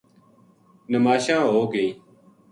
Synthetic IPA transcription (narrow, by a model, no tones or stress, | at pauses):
nəmaːʃãːɦoːɡeiː